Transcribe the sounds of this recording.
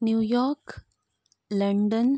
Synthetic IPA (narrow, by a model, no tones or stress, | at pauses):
njuːjɔːɾk | lɐɳɖən